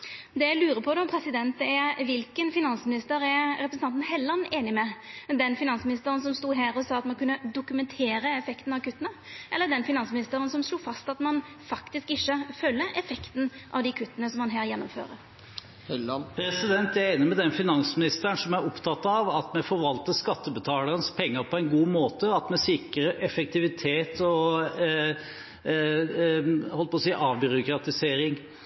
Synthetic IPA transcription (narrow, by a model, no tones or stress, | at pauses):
d̪ɛjæɪlʉːɾəpʰɔd̪ɛɔmpʰɾɛsɪd̪ɛnt̪æʋɪlkənfɪnɑnsmɪnɪst̪əɾæɾɛpɾəsn̩ɑnt̪n̩ɦɛlːɑneːnɪmɛd̪ɛnfɪnɑnsmɪnɪst̪əɾənsɔmst̪uːɦæːɾɔsɑːɑt̪mɑnkʰʉnːəd̪ʊkʉmɛnt̪ʰeːɾəɛfɛkt̪n̩ɑʋkʉt̪ːənəʔɛlːəd̪ɛnfɪnɑnsmɪnɪst̪əɾənsɔmsluːfɑst̪ɑt̪mɑn | fɑkt̪ɪskɪçːəfœlːəʔɛfɛkt̪n̩ʔɑ̰ʋd̪ikʰʉt̪ːənəsɔmːɑnɦæːɾjɛnːʊmfø̰ːɾəɾ | pʰɾɛsɪd̪ɛnt̪æɾeːnəmɛd̪ɛnfɪnɑnsmɪnɪst̪əɳsɔmæɾɔpt̪ʰɑt̪ːɑʋɑt̪mɛfɔɾʋɑlt̪əskɑt̪ːəbət̪ʰɑːləɾənəspʰɛŋːəɾpʰɔɛnɡuːmoːt̪əɑt̪mɛsɪkəɾəʔɛfɛk̚t̪ʰɪʋɪt̪ʰeːt̪ʰɔ | hɔləpɔsiːʔɑːʋbʏɾʊkɾɑt̪ɪseːɾɪŋ